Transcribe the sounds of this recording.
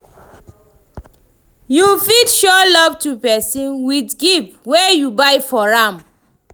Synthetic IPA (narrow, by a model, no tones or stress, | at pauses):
jufidʃɔlɔvtupɛsĩnwitɡipwejubajfɔɹam